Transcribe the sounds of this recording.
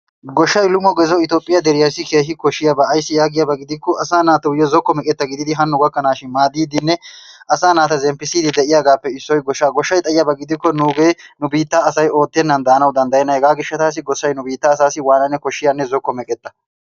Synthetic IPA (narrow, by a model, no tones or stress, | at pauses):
ɡɔʃːɐjlʊmɔɡɛzɔɪt̪oːpʼːɪjɐd̪ɛɾɪjɐɾsːɪke̞ːɦɪkɔʃːɪjabɐːjsːɪjaːɡɪjabɐɡɪd̪ɪkːɔʔɐsaːnaːt̪ɐʊjɔzɔkːɔmɛkʼɛt̪ːɐɡɪd̪ɪd̪ɪɦɐnːʊɡɐkːɐnaːʃɪnmaːd̪iːd̪ɪnːɛʔɐsaːnaːt̪ɐzɛmpːɪsiːd̪ɪd̪ɛʔɪjaːɡaːpːɛɪsːɔjɡɔʃːaːɡɔʃːɐjt̪ʼɐjɪjɐbɐɡɪd̪ɪkːɔnuːɡeːnʊbiːt̪ːaːsɐjo̞ːt̪ːɪɛnːɐnd̪ɐːnɐwd̪ɐnd̪ɐjɛnːɐhɛɡaːɡɪʃːɐt̪aːs̬ɪɡɔsːɐjnʊbiːt̪ːɐːsaːsɪwaːnɐnːɛkɔʃːɪjanːɛzɔkːɔmɛkʼɛt̪ːɐ